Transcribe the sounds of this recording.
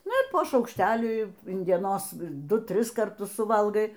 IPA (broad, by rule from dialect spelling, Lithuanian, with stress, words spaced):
ˈnʊ ɪ poː ʃɐʊkʃʲˈtʲæːlʲiː ɪn dʲiɛˈnoːs ˈdʊ ˈtʲrʲɪs kɐrˈtʊs sʊˈʋɐlˠɡɐɪ